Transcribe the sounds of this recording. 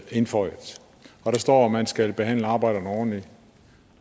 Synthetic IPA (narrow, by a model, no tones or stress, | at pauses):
e̝nfɒɪ̰ð̥ | ɒ̽ɾ̥ɑ̈sd̥ɒ̰ːmænsɡ̥ælb̥e̝ɦæn̰ləɑ̈ːbɑ̈ɪ̰d̥ɐn̩əɒːdn̩li